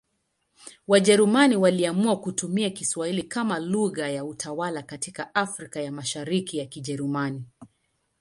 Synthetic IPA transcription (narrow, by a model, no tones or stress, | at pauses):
waʄɛɾumaniwaliamuakutumiakiswahilikamaluɣajautʰawalakatikaafɾikajamaʃaɾikijakiʄɛɾumani